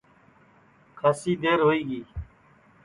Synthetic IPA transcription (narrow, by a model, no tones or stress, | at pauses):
kʰaːsiːd̪eːɾɦoːiːɡiː